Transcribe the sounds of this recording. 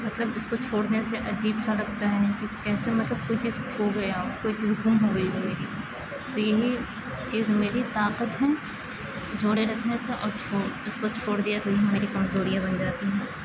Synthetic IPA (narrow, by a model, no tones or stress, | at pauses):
mɐt̪ləbɪskot͡ʃʰoːɽneseʔɐd͡ʒiːbsaɾɐɡt̪aɦɛnakikɛːsemɐt̪ləb̚koːit͡ʃiːzoɡɐjaɔkoːit͡ʃiːzɡʱʊmɦoɡɐiɦɛmeːɾi | t̪ojɐɦi | t͡ʃiːzmeːɾit̪aːqət̪ɦɛː | d͡ʒoːɽeɾɐkʰneseʔɔ̰ːɾt͡ʃʰoːɪskot͡ʃʰoːɽd̪ijat̪ojɐɦĩmeːɾikɐmzoːɾijãbɐnd͡ʒaːt̪iɦɛ̃ː